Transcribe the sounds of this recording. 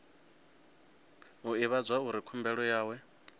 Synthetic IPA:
uiβad͡zwauɾikʰumbɛɺɔjaːwɛ

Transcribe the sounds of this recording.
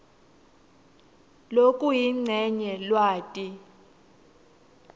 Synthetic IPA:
lokʼujiŋ͡ǀʱɛɲɛlwaːtʼi

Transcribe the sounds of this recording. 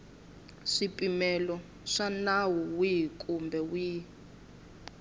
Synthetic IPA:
ʂipʼimɛlɔ | ʂanawɔwikʼumbʱɛwiː

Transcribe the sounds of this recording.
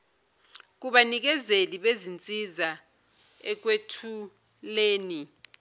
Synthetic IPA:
k̬uɓanik̬ɛzeliɓezint͡sʼiza | ɛk̬wetʰu | leːni

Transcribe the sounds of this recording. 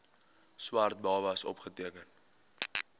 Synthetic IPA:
swɐrt̚bɐlˠvɐsɔ̰pχətiəkən

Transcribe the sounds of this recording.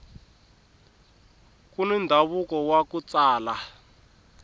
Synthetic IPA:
kunindʱaβukɔwakut͡saːla

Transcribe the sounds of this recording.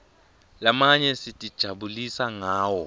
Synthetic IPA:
lamaɲɛsitʼid̥ʒ̥ʱaɓulisaŋaːwɔ

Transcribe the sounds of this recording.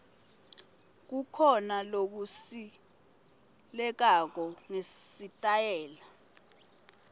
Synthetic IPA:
k̬ukʰɔnalok̬usi | lɛk̬ak̬ɔŋesitʼajɛːla

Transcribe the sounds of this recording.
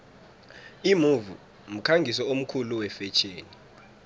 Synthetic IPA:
imuvṵ | m̩kʰaŋɡʱisɛom̩kʰuluwɛfɛt͡ʃʰʼeːni

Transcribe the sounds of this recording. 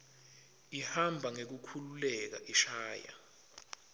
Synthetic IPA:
ihambʱaŋek̬ukʰululɛk̬a̰ʔiʃaːja̰

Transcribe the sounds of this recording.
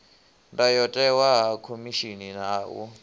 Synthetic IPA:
ndajɔtʼɛwaɦakʰomiʃininaːwɔ̰

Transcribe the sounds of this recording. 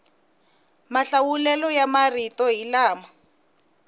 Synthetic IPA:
maɬawulɛlɔjamaritɔɦilaːma

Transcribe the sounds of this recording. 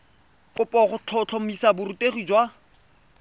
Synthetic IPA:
kʊpʼɔχʊt͡ɬʰɔt͡ɬʰomisabʊrutʼeχid͡ʒwa

